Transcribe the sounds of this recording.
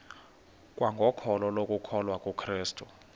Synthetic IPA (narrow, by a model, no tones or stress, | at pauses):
k̬ʼwaŋɡʱɔkʰɔlɔlok̬ʼukʰɔlwakʼukʰriːstʼu